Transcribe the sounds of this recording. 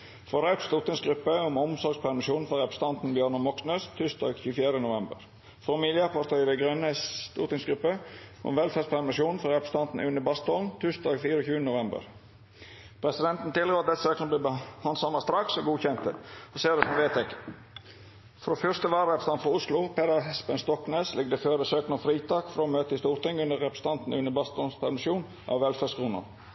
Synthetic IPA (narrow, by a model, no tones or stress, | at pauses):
fɔɾɑʉt̪st̪ʊt̪ɪŋsɡɾʉpːəʊmɔmsɔɾɡspʰæɾmɪʃuːnn̩fɔɾɛpɾə̥st̪ɑnt̪n̩bjøːɾɳɑnmɔksnøːst̪ʰʉst̪ɑ̰ːɡçʉːfjæːɾənʊʋɛmbə̰ɾ | fɾomɪljəpʰɑɾt̪ʰœʏd̪ɛɪɡɾœnːət̪ʊt̪ɪŋsɡɾʉpːəʔɔ̰mʋɛlfæːspʰæɾmɪʃuːnn̩fɔɾɛpst̪ɑnt̪n̩ʔʉnəbɑst̪ɔlnt̪ʰʉst̪ɑːɡfiːɾəɔçʉːənənʊʋɛmbə̰ɾ | pʰɾɛsɪd̪ɛnt̪n̩t̪ɪlɡoːɑt̪̚d̪ɛt̪ːəsøːknənəbliːbəhɑnsɔmɑst̪ɾɑksɔɡuːçɛnt̪əɔseːd̪ɛsɔmʋeːt̪ɛɡ | fɾoːfœst̪əʋɑːɾəɾɛpɾəsɑnt̪fɔɾʊslʊpʰɛd̪əɦɛspənst̪ɔkneːslɪɡ̚d̪əføːɾəsøːknəfɾiːt̪ʰɑːkfɾoːmøːt̪əɪst̪uːɾt̪ɪŋːʉnd̪əɾɛpɾəsə̥t̪ɑnt̪n̩ʔʉnːəbɑst̪ɔnspʰæɾmɪsuːn | ʔɑ̰ʋʋɛlfæːskʰɾuːnə̰ɾ